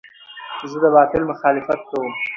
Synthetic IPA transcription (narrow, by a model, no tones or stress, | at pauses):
zəd̪əbɑt̪ɪlmʊxɑlɪfat̪̚kawəm